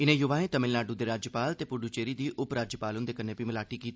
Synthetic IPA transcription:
ɪnẽːjʊʋaːɦẽːt̪əmɪlnaːɖud̪eːɾaːd͡ʒjəpaːlt̪eːpʊɖuːt͡ʃeːɾiːd̪iːʔʊpɾaːd͡ʒjəpaːlʊnd̪eːkənːeːpiːməlaːʈiːkiːt̪i̥

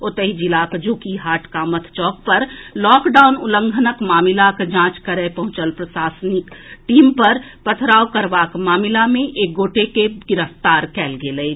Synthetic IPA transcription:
ot̪əɦid͡ʒɪlaːkd͡ʒukiɦaːʈʰkamət̪ʰt͡ʃɔːk̚pəɾlɔːkɖaːʊnʊlə̃ŋɡʱənəkmaːmɪlakd͡ʒãːt͡ʃkəɾepɐɦʊ̃t͡ʃəlpɾəsaːsnɪkʈiːmpəɾpət̪ʰɾaːwkəɾʋaːkmaːmɪlamẽʔeːk̚ɡoːʈekeɡɪɾəft̪aːɾkɛːlɡeləe

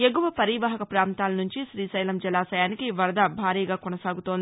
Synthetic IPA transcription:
eɡuʋɐpɐɾiːʋaːɦɐkɐpɾaːnt̪aːlɐnuɲt͡ʃiʃɾiːsɐjlɐmd͡ʒɐlaːsɐjaːnikiʋɐɾd̪ɐbʱaːɾiːɡaːkonɐsaːɡut̪ond̪i

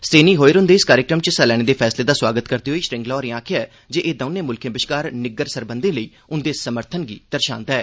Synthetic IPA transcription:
sʈeːniːɦoːeːɾʊ̃nd̪eːskaːɾɪkɾəmt͡ʃəsɛlɛːɽ̃eːd̪eːpʰɛːsleːd̪aːswaːɡət̪kəɾd̪iːɦoiːʃɾɪ̃ŋɡlɔːɾĩãːkʰɪjaɛː | d͡ʒeːʔeːd̪əʊnẽːmʊlkʰẽːbɪʃkaːɾnɪɡəɾsəɾbənd̪ẽːləiː | ʊnd̪eːsəməɾt̪ʰənɡḭːd̪̥əɾʃã̰ːnd̪aɛː

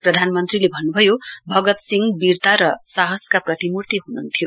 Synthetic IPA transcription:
prʌd̪ʱanmʌnt̪rilebʱʌnːubʱʌjobʱʌɡʌt̪siŋɡbirt̪aɾʌsaɦʌskaprʌt̪imurt̪iɦununt̪ʰijo

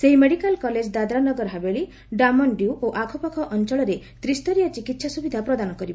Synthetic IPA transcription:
seɦimeɽikalkɔled͡ʒd̪ad̪ɾanɔɡɔɾɦabeɭi | ɖamɔɳɖiuʔoʔakʰɔpakʰɔʔɔnt͡ʃɔɭɔɾe | t̪ɾist̪ɔɾijat͡ʃikit̪sasubid̪ʱapɾɔd̪anɔkɔɾibɔ

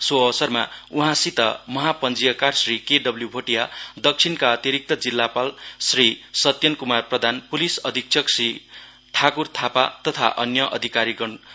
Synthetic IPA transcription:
soʌsʌrma̰uɦãsit̪ʌ̰mʌɦapʌnd͡zijʌkarsrikeɖʌbljubʱoʈijad̪ʌk̚t͡sʰinkaʌt̪iɾik̚t̪ʌd͡zilːapalsrisʌt̪jʌnkumarprʌd̪ʱanpulisʌd̪ʱik̚t͡sʰʌksri | t̪ʰakurt̪ʰapat̪ʌt̪ʰaʔʌnjʌʔʌd̪ʱikaɾiɡʌn

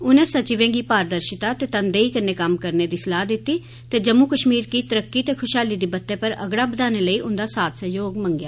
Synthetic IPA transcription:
ʊnẽːsət͡ʃiʋẽːɡiːpaːɾd̪əɾʃɪt̪aːt̪eːt̪ənd̪eːiːkənːeːkəmkəɾneːd̪iːsəlaːd̪ɪt̪ːiː | t̪eːd͡ʒəmːuːkəʃmiːɾkiːt̪əɾəkːiːt̪eːkʰʊʃaːliːd̪iːbət̪ːeːpəɾə̰ɡɽaːbəd̪aːneːləiːʔʊnd̪aːsaːt̪səjoːɡmə̃ŋɡjaː

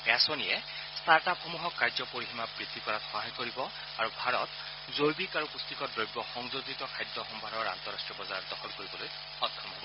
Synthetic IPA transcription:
ɛasɔnijɛ | saɹtapxomuɦɔkːaɹzɔpoɹiximabɹid̪ʱːikɔɹatxɔɦajkoɹibɔ | aɹubʱaɹɔt̪ | zojbikaɹupust̪ikɔdɹojbɔxɔŋzozitɔkʰajd̪ːɔxɔmbʱanɔɹa̰nt̪ɔɹastɹiɔbɔzaɹɔt̚dɔxɔlkoɹibɔloj | ɔtʰːɔmɔbɔ

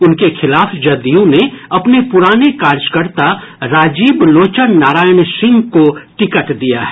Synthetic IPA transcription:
ʊnkexʰɪlaːfd͡ʒɐd̪ijõneɐpnepʊɾaːnekaːɾd͡ʒkəɾt̪a | ɾaːd͡ʒiːbloːt͡ʃənnaːɾaːjənsɪ̃ŋɡkoʈɪkəʈd̪ija̰ɦɛ

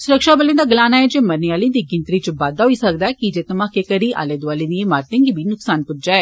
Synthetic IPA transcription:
sʊɾəkʃaːbəlẽːd̪aːɡəlaːnaːɛːd͡ʒeːməɾniaːliːd̪iːɡɪ̃nt̪ɾiːt͡ʃəbaːd̪aːɦoiːsəkd̪aɛkid͡ʒeːt̪əmãːkekəɾiːʔa̰ːleːd̪ʊaːliːd̪iẽːmaːɾt̪ẽŋɡiːbʱiːnʊksaːnpʊtd͡ʒaːɛː

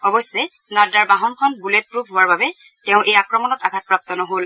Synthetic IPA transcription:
ɔbɔsɛ | nadaɹbaɦɔnkʰɔnbulet̚pɹubʱɦowaɹbabɛ | tɛʊ̃ʔejakɹɔmɔnɔtaɡʱat̚pɹap̚t̪ɔnɔɦol

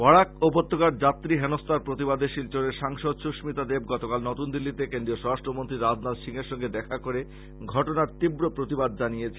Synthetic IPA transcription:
bɔɽakobot̪ːokaɾd͡ʑat̪ːɾiɦenost̪ʰaɾpɾot̪ibad̪eʃilt͡ɕoɾeɾʃaŋʃod̪ʃuʃmit̪ad̪eb̚ɡɔt̪okalnɔt̪und̪ilːit̪ekend̪ɾioʃɔɾaʃʈɾomont̪ɾiɾad̪nad̪ʃiŋeɾʃɔŋɡed̪ɛkʰakoɾe | ɡʱɔʈonaɾt̪ibɾopɾot̪ibad̪̚d͡ʑanijet͡ɕʰe

